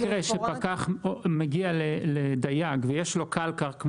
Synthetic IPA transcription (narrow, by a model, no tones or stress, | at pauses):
kʁeʃepakaχmeɡialeled̪ajaɡvejeʃlo̞kalkaʁkm